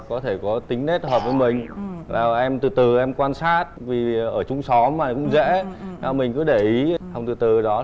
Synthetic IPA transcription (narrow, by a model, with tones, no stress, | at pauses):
kɔ˨˦t̪ʰe˧˩kɔ˨˦t̪ï˨˦ŋ̟te˦˥t̚həː˨˩p̚vəː˨˦jmï˨˩ŋ̟laː˨˩ʔɛ˧mt̪ɨ˨˩t̪ɨ˨˩ʔɛ˧mkwaː˧nsaː˦˥t̚vi˨˩ʔəː˧˩t͡ɕʊ˧ŋ͡msɔ˨˦mmaː˨˩kʊ̰˧˥ŋ͡mzḛ˧˥naː˨˧˩mï˨˩ŋ̟kɨ˨˦ɗe˧˩ʔi˨˦ha˧wŋ͡mt̪ɨ˨˩t̪ɨ˨˩ɗɔ˨˦